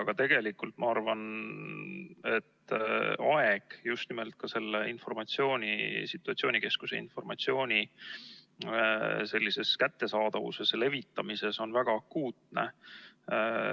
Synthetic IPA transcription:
ɑɡ̥ɑt̪e̞ɡ̥e̞likːˑult̪mɑɑrvɑn | e̞t̪ːɑe̞ɡ̥just̪nimelt̪̚kɑse̞lːeinfo̞rmɑt̪sio̞ːnʲḭsit̪ːˑuɑt̪sioːnʲike̞skuseḭnfo̞rmɑt̪sio̞ːnʲi | se̞lʲːise̞skæt̪ːesɑːd̪ɑvṵse̞sle̞vit̪ːɑmise̞so̞nvæɡ̥ɑɑkːuːt̪nḛ

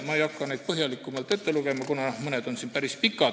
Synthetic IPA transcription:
mɑejɑkˑːɑnejd̪̚pɤɦjɑlikːˑumɑlt̪ːˑet̪ːe̞luɡ̥e̞mɑkunɑmɤned̪̥o̞nsinpæɾispikːˑɑ

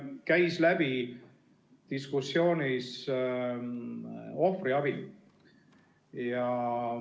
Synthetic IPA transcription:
kæjslæb̥i | t̪iskusːjo̞ːnʲis | o̞friɑb̥i | jɑ

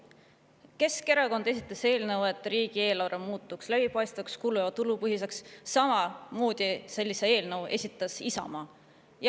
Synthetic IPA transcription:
ke̞ske̞ɾɑko̞nd̪̥e̞sʲit̪ːˑɑse̞ːlnəwe̞t̪ːˑriːɡ̥ie̞ːlɑɾɑmuːt̪ːˑukslæb̥ipɑjst̪vɑkskuluɑt̪ulupɤɦis̬e̞ksːɑmɑmoːd̪̥ise̞lʲːise̞e̞ːlnəwʔe̞̰sʲit̪ˑːɑsisɑ̰mɑː | j

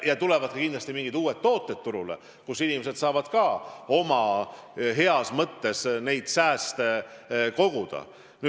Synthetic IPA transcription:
jɑt̪ule̞vɑd̪̥kɑkind̪lɑst̪imiŋɡ̥id̪uːet̪ːo̞ːt̪ːˑet̪ːuɾulḛ | kusinimese̞d̪̥sɑːvɑd̪̥kɑo̞mɑ | ɦe̞ɑsmɤt̪ːe̞sne̞jd̪̥sæːst̪eko̞ɡ̥ud̪̥ɑ̰ | ny

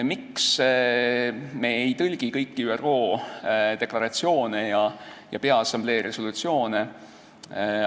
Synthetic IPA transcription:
miks | meejt̪ɤlʲɡ̥ikɤjkːiyːero̞ːd̪̥e̞klɑɾɑt̪sio̞ːnejɑjɑ̰pe̞ɑesːɑmble̞ːɾʔe̞solut̪sio̞ːne

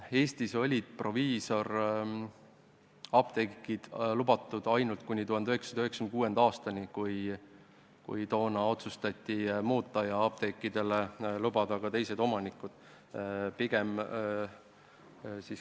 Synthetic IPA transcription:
e̞ːst̪iso̞lʲid̪̥̚pro̞viːso̞r | ɑbt̪ekːˑid̪̥lubɑt̪ːˑud̪̥ɑjnult̪̚kunʲːit̪uhɦɑnd̪yɦeksɑd̪yhekskmnkuːe̞nd̪ɑːst̪ɑnʲikuj | kṵjt̪o̞ːnɑo̞t̪sust̪ɑt̪ʲːimuːt̪ːˑɑjɑɑp̚t̪ekːid̪e̞lelubɑd̪ɑɡ̥ɑt̪e̞jse̞d̪o̞mɑnikːˑud̪̥ | piɡ̥e̞m | sis

